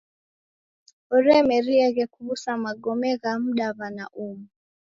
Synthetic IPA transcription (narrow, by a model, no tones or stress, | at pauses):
ɔɾɛmɛɾiɛɣɛkuβusamaɡɔmɛɣam̩ɗaβanaʔumu